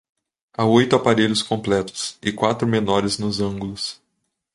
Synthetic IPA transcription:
aojt̪ʊapaɾeʎʊskõmplɛt̪ʊ̥sɪkwat̪ɾʊmenɔɾɪznʊzɐ̃ɡʊlʊs

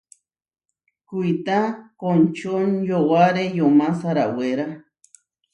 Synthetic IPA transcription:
kujt̪akont͡ʃonjowaɾejomasaɾaweɾa

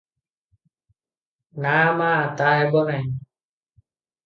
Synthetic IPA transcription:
namaːt̪aɦɛbɔnaj

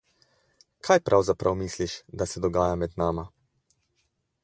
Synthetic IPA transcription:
kʰaːjpɾʔawzapɾʔawmisliʃd̪asɛd̪ɔɡaːjamɛd̪naːma

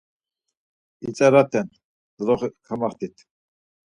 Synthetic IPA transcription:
it͡sʼɛɾat̪ʰɛn | d̪̥ɾɔχkʰamaχt̪ʰit̪ʰ

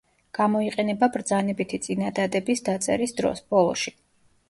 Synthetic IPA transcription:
ɡ̥amɔiqʼɛnɛbabɾd̪zanɛbit̪ʰit̪sʼinad̪ad̪ɛbisd̪at̪sʼɛ̰ɾisd̪ɾɔ̰sb̥ɔlˠɔ̰ʃi

